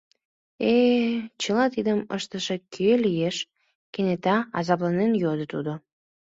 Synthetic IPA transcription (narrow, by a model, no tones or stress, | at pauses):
et͡ɕəlɑt̪id̪əmə̰ʃt̪əʃekʰølijeʃ | kenet̪ɑɑzɑplɑnenjod̪ət̪ṵd̪o